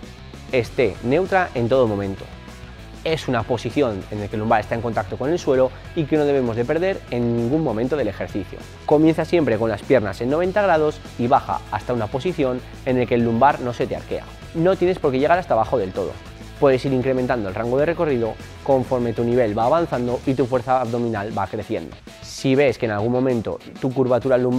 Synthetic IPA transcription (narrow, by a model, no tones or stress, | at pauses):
e̞st̪e̞ne̞wt̪ɾaʔe̞nt̪o̞ð̞omõ̞mẽ̞nt̪o̞̥̰ | e̞sunapo̞siθjo̞ne̞nelke̞lːumbaɾe̞st̪aeŋko̞nt̪ak̚t̪o̞ko̞ne̞lswe̞lo̞ | ike̞no̞ð̞e̞β̞e̞mo̞zðe̞pe̞ɾðe̞ɾenːiĩŋɡumːõ̞mẽnt̪o̞ð̞e̞le̞xe̞ɾθiθjo̰ | ko̞mjen̟θasjempɾe̞ko̞nlaspjeɾnase̞nːo̞βe̞nt̪aɣɾað̞o̞s | iβaxa̰ast̪aunapo̞siθjo̞n | e̞ne̞lke̞ːlːumbaɾnose̞t̪ea̰ɾke̞̰a̰ | no̞t̪je̞ne̞spo̞ɾke̞ʝe̞ɣaɾast̪aβaxo̞ðe̞lt̪o̞ð̞o̰ | pwe̞ðe̞siɾiŋkɾe̞mẽnt̪and̪o̞lraŋɡoð̞e̞re̞ko̞riðo̞ | ko̞ɱfo̞ɾme̞t̪uniβ̞e̞lβaːβan̟θand̪o̞ʔit̪ufwe̞ɾθaːβðo̞mĩnalbakɾeθje̞̰nd̪o̞̰ | siβe̞skenalɣ̞unmõ̞mẽnt̪o̞̰t̪ukuɾβat̪uɾalum